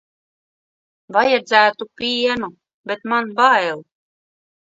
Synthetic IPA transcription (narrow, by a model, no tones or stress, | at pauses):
vajad̪zæːt̪upʲiɛnu | bʲet̪manbaːɛlˠ